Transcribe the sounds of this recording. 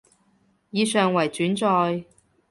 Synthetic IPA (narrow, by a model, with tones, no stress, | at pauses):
jiː˨˧sœː˨ŋwɐ˨˩jt͡ʃyː˨˥nt͡sɔː˧j